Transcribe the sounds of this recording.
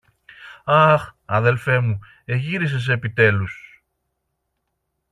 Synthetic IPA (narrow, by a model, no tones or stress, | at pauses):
ɐxɐðe̞lfe̞mu | e̞ʝiɾis̬e̞s̬e̞pit̪e̞lus